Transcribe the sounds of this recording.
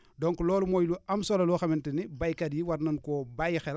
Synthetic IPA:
doŋkloːlumoːjluamsolɐluxamintinibajkadjiwaɾnɐnkobajxɛl

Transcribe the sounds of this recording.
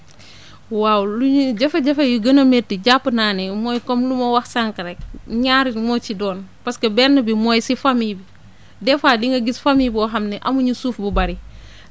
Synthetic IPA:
waːwluɲuɟɐfɐɟɐfɐjuɡɐnɐmeːtiɟapːnaːnɛmɔːjkɔmlumɐwɐxsaŋkɐɾɛk̚ɲaːɾimɔːt͡ʃidɔːnpɐskɐbɛnːɐbimɔːjsifamiːbi | dɛfaːliŋɡɐɡisfamibɔɦɐmnɛʔɐmuɲusuːfbubɐɾi

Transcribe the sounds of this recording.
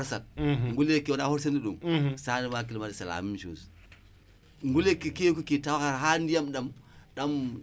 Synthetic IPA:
ɔɾsal̚ŋɡulekewnahoɾsandiɗumsanimakilmadisala̰mimʃo̰s | ŋɡulekikekokitawakaɾhandijamɗamɗam

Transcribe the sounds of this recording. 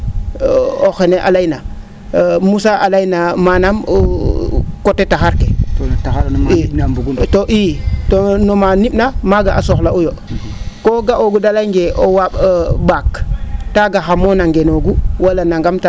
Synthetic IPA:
oxeneʔa̰lajna | musaʔalajnamanam | kotːetaxaɾketotaxaɾnainambuɡutoʔitonomanip̚namaɡaʔasoxlaujo | koɡaʔoɡudalajŋɡeʔowaɓbaktaɡaxamonaŋɡenoɡuwalanaŋɡamta

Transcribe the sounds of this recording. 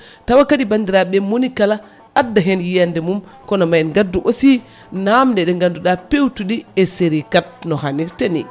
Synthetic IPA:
tawakaɗibandiɾaɓɛmonikalaː | dːaɦɛnjijandɛmum | kɔnɔmajnɡaduʔosi | namdɛɗɛŋɡanduɗapewtuɗiɛseɾikat̚nɔhaniɾtanḭ

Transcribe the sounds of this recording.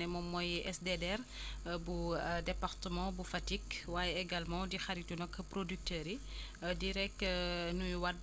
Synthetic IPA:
nɛmɔmːɔjʔɛsdɛdɛr | budɛpaɾtəmɑ̃bufatikwaːjɛeɡalmɑ̃dixaɾitunɔkːəpɾodyk̚təːɾi | diɾɛkːnujwad

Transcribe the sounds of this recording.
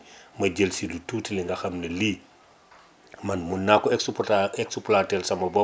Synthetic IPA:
mɐɟəlsilutuːtiliŋɡɐxɐmnɐliː | mɐnmunːaːkɔɛksupaɛksuplatɛlsɐmɐbɔ

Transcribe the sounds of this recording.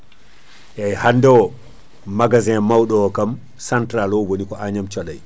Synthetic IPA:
ʔɛjhandɛwɔ | maɡazɛmawɗɔɔkam | santɾalɔwonikɔʔaɲamt͡ʃɔlaj

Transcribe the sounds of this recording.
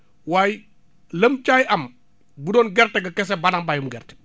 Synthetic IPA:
waːji | ləmt͡ʃajʔɐm | budɔːnɡɛrtɛɡɐkɛs̬ɛbanambajumɡɛrtɛ̥

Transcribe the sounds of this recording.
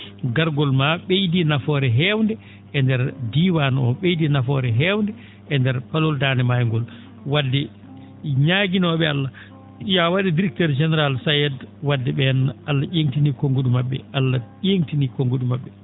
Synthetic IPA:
ɡaɾɡɔlmaɓejdinafɔɾɛɦɛwndɛ | ʔɛndɛɾdiwanɔɓejdinafɔɾɛɦɛwndɛ | ʔɛndɛɾpaloldaːnɛmajŋɡɔl | wadːɛ | ɲaɡinɔɓɛalːa | jawaɗidiɾɛk̚tɛɾd͡ʒɛnɛɾalsajɛdwadːɛɓɛnalːaʔeŋtinikoŋɡuɗumaɓːɛalːaeŋtinikoŋɡuɗumaɓːɛ

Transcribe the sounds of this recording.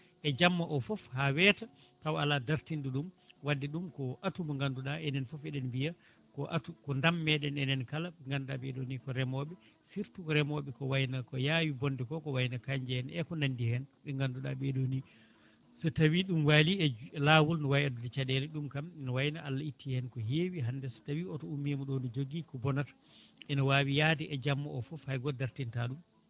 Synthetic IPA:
ʔɛd͡ʒamːaʔɔfɔfhawɛta | tawaladaɾtinduɗum | wadːɛɗumkɔʔatumɔŋɡanduɗaɛnɛnfɔfɛɗɛnbija | kɔʔa̰tukɔndamːɛɗɛnɛnɛnkalaɓɛŋɡandabɛɗonikɔɾɛmɔɓɛ | siɾtukɔɾɛmɔɓɛkɔwajnakɔjawibɔndɛkɔkɔwajnakaɲd͡ʒɛhɛnɛkɔnandihɛnɓɛŋɡanduɗa̰bɛɗoni | sɔtawiɗumwaliɛlaːwulnɔwajadudɛt͡ʃadɛlɛɗumkamɛnɔwajnaalːaitʰːihɛnkɔheːwiɦandɛsɔ̥tawiɔtɔumːimɔɗɔnɔd͡ʒoɡikɔbɔnatḁ | ɛnɔwaːwijaːdɛʔɛd͡ʒamːɔɔfɔfajɡɔdaɾtintaɗum

